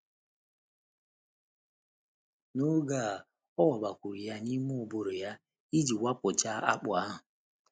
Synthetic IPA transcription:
no˦ɡa˦˨ | ɔ˦wɔ˨ba˨kʷu˨ɾi˨ja˦ni˦mʊ˦o˨bo˨ɾo˨ja˦ | i˦d͡ʒi˨wa˦pʊ˨t͡ʃa˦a̰˦k͡pʊ˨a˦ɦʊ˨

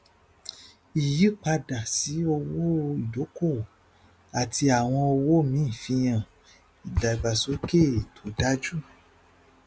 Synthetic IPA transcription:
i˨ji˨˦k͡pa˧da˨si˨˦o˧wo˦i˨do˨˦ko˦˨ | a˨tʰi˧a˨w̃ɔ̃˧o˧wo˦mĩ˨˦˨fĩ˧j̃ã˨ | i˨da˨i˨ɡ͡ba˨so˨˦ke˦˨tʰo˨˦da˦d͡ʒu˦˨

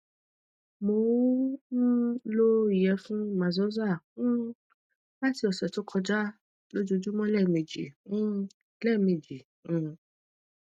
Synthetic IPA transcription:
mo˧˦n̩˦lo˦i˨jɛ˨˦fũ˦mã˨zɔ˦zã˦˨˦ | ba˦˨ti˧ɔ˨sɔ˨to˦kʰɔ˧d͡ʒa˦ | lo˦d͡ʒo˧d͡ʒu˦mɔ̃˦lɛ˦˨mẽ˨d͡ʒḭ̃˨˦˧ | lɛ˦˨me˨d͡ʒĩ˨

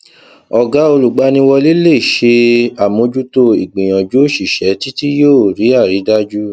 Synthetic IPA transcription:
ɔ˨ɡa˨˦o˧lu˨ɡ͡ba˧˦nĩ˧wɔ˧li˦le˦˨i˨ʃe˧a˨mõ˧d͡ʒu˦to˧i˨ɡ͡bĩ˨j̃ɔ̃˨d͡ʒu˦˨ʃi˨ʃɛ˨˦ti˦ti˦joː˦˨ɾi˨˦a˦˨ɾi˨˦da˦d͡ʒu˦

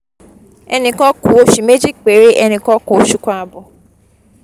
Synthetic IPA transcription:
ɛ˧nĩ˧kɔ˦kũ˨˦o˧ʃi˨me˦d͡ʒi˦k͡pe˨˦ɾe˦ʔɛ˧nĩ˧kɔ˦kũ˨o˦ʃu˨˦kʷã˦a˧bɔ˨

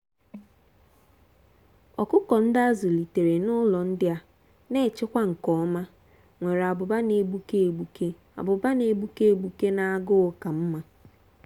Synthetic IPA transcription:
ɔ˨kʊ˦kɔ˨n̩˦da˦zʊ˨li˨te˨ɾe˨nʊ˦lɔ˨n̩˦dɪ˦a˦ | ne˦˨t͡ʃɪ˦kʷa˦ŋ̩˨kɔ˨˦ma˦ | ŋʷe˨ɾa˨bʊ˨ba˦ne˨bu˦ke˦˨ɡ͡bu˦ke˦ | a̰˨bʊ˨ba˦ne˨bu˦ke˦e˦˨ɡ͡bu˦ke˦na˦a˦ɡʊ˦ʊ˨ka˨m̩˦ma˦

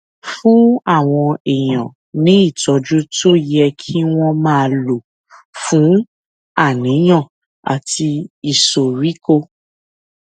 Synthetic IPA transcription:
fũ˦a˦˨w̃ɔ̃˧e˨j̃ɔ̃˨ | nĩ˨˦i˦˨tɔ˨˧d͡ʒu˦to˦˨jɛ˧kʰi˦w̃ɔ̃˦mãː˦˧lo˨ | fũ˨˦ | a˦˨nĩ˨˦j̃ã˦˨ | a̰˨ti˧i˨so˨ɾi˨˦ko˧

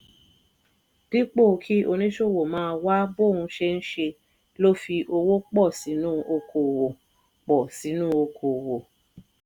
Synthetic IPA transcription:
d̥i˦k͡po˦˨kʰi˦ʔo˧nĩ˦ʃo˦˨wo˨mãː˦˧wa˦bo˦˨ũ˧˦ʃe˧n̩˦ʃe˧ | lo˦fi˧ʔo˧wo˦k͡pɔ˦˨si˨˦nũ˦o˧kʰo˨wo˨ | k͡pɔ˨si˨˦nũ˦o˧kʰo˨wo˨

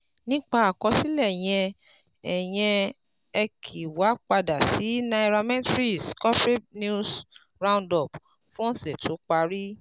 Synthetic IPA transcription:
nĩ˦k͡pa˦˧a˨kɔ̃˧si˦lɛ˦˨j̃ɛ̃˧ | ɛ˨j̃ɛ̃˧ | ɛ˧kʰi˨wa˨˦k͡pa˧da˨si˨˦na˧i˧ɾa˧mɛ̃˦tɾi˦˨skɔ˦fɾe˦nu˦s | ɾã˧˦ndɔ˦˨b | fũ˦ɔ̃˦sɛ˨tʰo˨˦k͡pa˧ɾi˦

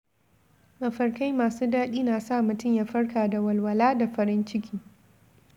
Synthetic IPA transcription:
ʔɐ˨ɸɐ˨rkɐ˦jmaː˨suː˦daː˦ɗiː˦naː˨sa˦˨mʊ˨tʊ˦mja˨ɸɐ˦rkaː˨da˨wɐ˨lwɐ˨laː˦da˨ɸɐ˨ɾɪ˦nt͡ʃɪ˦kʲʰiː˦

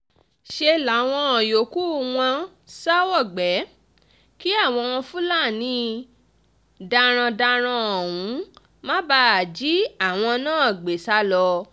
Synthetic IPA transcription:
ʃe˧la˨˦˨w̃ɔ̃˧ɔ̃˨jo˨ku˦w̃ã˧ | sa˦wɔ˦˨ɡ͡bɛ˨˦ | ki˦a˦˨w̃ɔ̃˧w̃ɔ̃˧fũ˦la˦˨nĩ˧˦ | da˧ɾ̃ã˧da˧ɾ̃ã˧ɔ˨wũ˨˦ | mã˦ba˦˧˨d͡ʒi˨˦a˦˨w̃ɔ̃˧nãː˦˨ɡ͡be˨˦sa˦lɔ˧

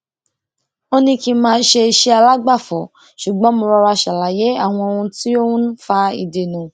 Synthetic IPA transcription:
o˦nĩ˧ki˧mãː˧˦ʃe˧i˧ʃe˦a˧la˦ɡ͡ba˦˨fɔ˨ | ʃu˨ɡ͡bɔ̃˨˦mo˧ɾɔ˧ɾa˧ʃa˨la˨˦je˨˦a˦˨w̃ɔ̃˧o˧ɾũ˧ti˦o˦wũ˦ñ̩˦fa˧˦ḭ˧de˧˨nũ˧

